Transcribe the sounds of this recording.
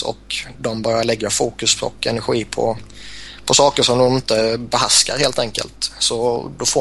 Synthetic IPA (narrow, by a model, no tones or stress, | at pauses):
ɔ̰kd̪ɔmbœɾjaɭɛɡːafuːkɵspʰɔ̰kʰɛnæɾɧiːpʰɔ̰ | pʰɔsɑːkəʂɔmd̪ɔmɪnt̪əbɛɦaska̰ɾheːlt̪ʰɛŋkə̰lt̪sɔd̪ɔfo